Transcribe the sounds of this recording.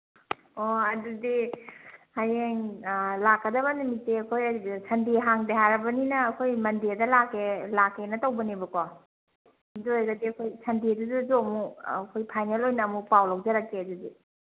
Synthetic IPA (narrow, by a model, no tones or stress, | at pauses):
oɐdudi | hajeŋlakːɐdɐbɐnumiteɐkʰojsʰɐndiɦaŋdeɦaɾɐbɐninɐːkʰojmɐndedɐlakːelakːenɐtawbɐnibɐko | hizojɡɐdiɐkʰojsʰɐndiduzuzomuɐkʰojpʰajnelojnɐːmupawlawzɐɾakːeɐdudi